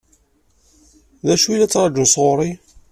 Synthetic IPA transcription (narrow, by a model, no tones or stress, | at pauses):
ðæʃuilæt͡sːɾˤɑd͡ʒunsʁoɾˤi